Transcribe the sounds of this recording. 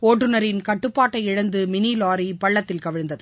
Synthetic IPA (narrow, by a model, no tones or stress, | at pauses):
oːʈɾɯnɐɾɪnkɐʈːɯpːaːʈːɐɪɪɻɐnd̪ɯmɪniːlaːɾipɐɭːɐt̪ːɪlkɐʋɪɻnd̪ɐðɯ